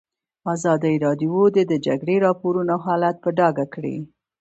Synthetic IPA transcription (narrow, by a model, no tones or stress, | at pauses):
azɑd̪ajɾɑd̪ijod̪ed̪əd͡ʒa̰ɡɽeɾɑpoɾunaɦɑlat̪̚pəɖɑɡakɽḭ